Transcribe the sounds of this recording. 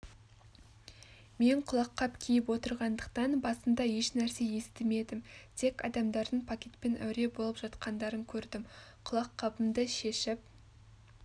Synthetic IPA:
me̞ɴqʰʊlˠɑqʰːɑpkʲʰijɪpwo̞t̪əɾʁɑnd̪əq̚t̪ɑnbɑsəmd̪ɑje̞ʃnæɾse̞je̞st̪ɪme̞d̪ɪmt̪ʰe̞kɑ̰d̪ɑmd̪ɑɾd̪əɴpʰakʲe̞t̪pe̞nʔæ̰wɾe̞bo̞lˠəpʒ̥ɑt̪qʰɑnd̪ɑɾəŋkʲʰɵɾd̪ɪmqʰʊlˠɑqʰːɑbəmd̪əʃe̞ʃɪp̚

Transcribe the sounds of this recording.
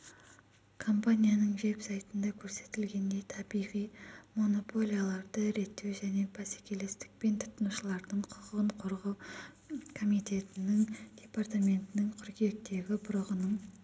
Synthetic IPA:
kʰo̞mpanʲijanəɴʒe̞psajt̪ənd̪ɑkʲʰɵɾse̞t̪ɪlɡʲe̞nd̪e̞jt̪ʰɑbijʁijmo̞no̞pʰo̞lʲijalˠɑɾd̪əɾe̞t̪ːe̞wʒæne̞bʰɑse̥kʲe̞le̞st̪ɪ̥k̚pe̞nt̪ʰʊ̥t̪ənuʃəlˠɑɾd̪əɴqʰʊ̥ʁəɴqʰʊɾʁə | kʰo̞mijt̪ʲe̞t̪ɪnɪŋd̪̥ʲe̞part̪amʲe̞nt̪ɪnɪŋqʰʊɾɡʲek̚t̪e̞ɡʲɪbʊɾəʁənəɴ

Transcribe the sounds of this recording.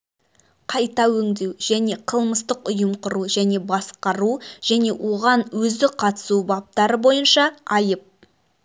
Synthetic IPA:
qʰɑjt̪ɑwɵŋd̪e̞wʒæne̞qʰəlˠməst̪əqʊjəmqʰʊɾuʒæne̞bɑsqɑɾuʒ̥æne̞wʔo̞ʁɑnwɵzd̪ɪqʰɑt̪ə̥subɑp̚t̪ɑɾəbo̞jənʃɑɑjəp̚

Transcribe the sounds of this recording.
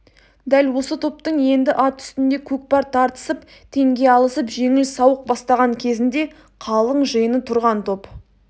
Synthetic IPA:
d̪ælwo̞sət̪ʰo̞p̚t̪əɴje̞nd̪ɪʔɑt̪ʰʏ̥st̪ɪnd̪e̞kʲʰɵk̚pɑɾt̪ʰɑɾt̪ə̥səp | t̪ʰe̞ŋɡʲe̞ɑlˠəsəpʒe̞ŋɪlsɑwəq̚bɑst̪ɑʁɑɴkʲʰe̞zɪnd̪e̞ | qʰɑlˠəɴʒəjənət̪ʰʊɾʁɑnt̪ʰo̞p

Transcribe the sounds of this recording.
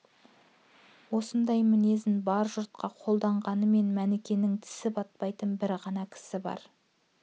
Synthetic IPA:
wo̞sənd̪ɑjmɪne̞zɪnbɑɾʒʊɾt̪̚qɑqʰo̞lˠd̪ɑɴʁɑnəme̞nmænekʲe̞nɪŋt̪ʰɪ̥sɪbɑt̪̚pɑjt̪ənbɪɾʁɑnɑkʲʰɪ̥sɪbɑ̰ɾ

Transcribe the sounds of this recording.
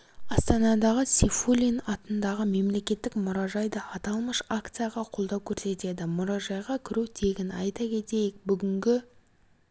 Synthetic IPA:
ɑst̪ɑnɑd̪ɑʁəsifulʲinɑt̪ənd̪ɑʁəme̞mle̞kʲe̞t̪ːɪkmʊɾɑʒɑjd̪ɑʔːt̪ɑlˠməʃakt̪sɨjaʁɑqʰo̞lˠd̪ɑwkʲʰɵɾse̞t̪e̞d̪ɪmʊɾɑʒɑjʁɑkʲʰɪɾut̪ʰe̞ɡʲɪnɑjt̪ɑkʲʰe̞t̪e̞jɪk̚bʏɡʲɪŋɡʲɪ

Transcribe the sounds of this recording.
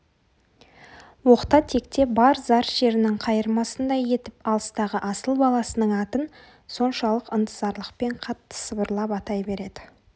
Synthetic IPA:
wo̞qt̪ɑt̪ʰe̞kt̪e̞bɑɾzɑɾʒ̥e̞ɾɪnɪŋqʰɑjəɾmɑsənd̪ɑje̞t̪ɪpɑlˠəst̪ɑʁəʔɑsəlˠbɑlˠɑsənəɴɑt̪ən | so̞nʃɑlˠəqənt̪ʰəzɑɾlˠəqpe̞ɴqʰɑt̪ːə̥səbəɾlˠɑpɑt̪ɑjbe̞ɾe̞d̪̥ɪ

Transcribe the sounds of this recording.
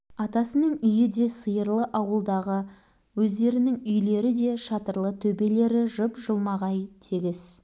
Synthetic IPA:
ɑt̪ɑsənəɴʏjɪd̪e̞səjəɾlˠəʔɑwəlˠd̪ɑʁə | wɵzd̪e̞ɾɪnɪŋʏjle̞ɾɪd̪e̞ʃɑt̪əɾlˠət̪ʰɵbe̞le̞ɾɪʒʊpʒəlˠmɑʁɑjt̪ʰeɡʲɪz̥

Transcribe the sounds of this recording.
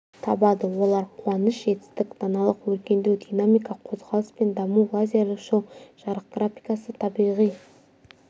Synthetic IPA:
t̪ʰɑbɑd̪əwo̞lˠɑɾqʰwɑnəʃʒe̞t̪ɪ̥st̪ɪkd̪ɑnɑlˠəqwɵɾkʲe̞nd̪ewd̪ʲijnamijkɑqʰo̞zʁɑlˠəspe̞nd̪ɑmuvˠazʲalˠəʃowʒ̥ɑɾəq̚ɡ̥rafʲijkasət̪ʰɑbijʁij

